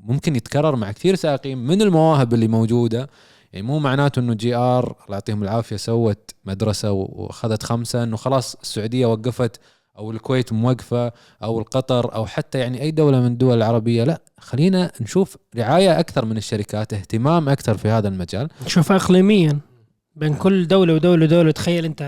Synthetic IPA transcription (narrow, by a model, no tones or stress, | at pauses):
mʊmkɪnjɪt̪kɑrˤːɑɾˤmaʕkθiːɾsaːʔqiːmmɪnɪlmawaːɦɪbɪlːimowːd͡ʒuːd̪a | jaʕnimuːmaʕnaːt̪ʔɪnːud͡ʒiːʔɑːɾˤlʊʕt̪ˤiːhʊmɪlʕaːfɪjasawːat̪mad̪ɾˤɑsawa̰xaðat̪xamsaʔɪnːuxɑlɑːsˤɪ̥sːʊʕuːd̪ɪjːawaɡːafat̪ | ʔawɪlkweːt̪mʊwaɡfa | ʔawɪlqɑt̪ˤɑɾˤʔa̰wħat̪ːajaʕniʔajːd̪awlamɪnɪd̪ːʊwalɪlʕɑɾˤɑbɪjːalaʔ | xalːiːnanʃuːfɾɪʕaːjaʔakθɑɾˤmɪnɪʃːaɾɪkaːt̪ɪht̪ɪmaːmʔakθɑɾˤfihaːðalmad͡ʒaːlnʃuːfaʔɪqliːmɪjːan | beːnkʊlːd̪awlawd̪awlawd̪aːlat̪xajːalʔɪnt̪a